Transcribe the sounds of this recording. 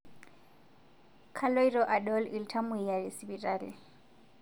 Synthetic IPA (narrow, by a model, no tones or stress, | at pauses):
kʰaloiɾɔʔaɗɔliltʰamʊijalisibitʼaːlḭ